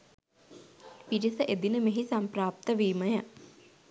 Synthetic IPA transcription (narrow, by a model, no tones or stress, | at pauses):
ʋiɾisəʔed̪inəmeɦisampraːp̚t̪əʋiːməjə